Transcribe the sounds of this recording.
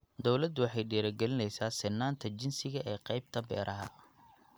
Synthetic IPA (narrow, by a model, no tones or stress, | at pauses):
d̪ɔwlɐd̪ʊwɑħɑjɖɛːɾɐɡɛlɪnɛjsaːsɪnːaːnt̪ʰɐd͡ʒɪnsɪɣɐʔɛːqɑjb̚t̪ʰɐbɛ̰ːɾʔɐɦɐ̰